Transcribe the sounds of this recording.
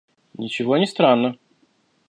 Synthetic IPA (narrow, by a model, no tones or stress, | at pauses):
nʲɪt͡ɕɪvonʲɪst̪ɾanːə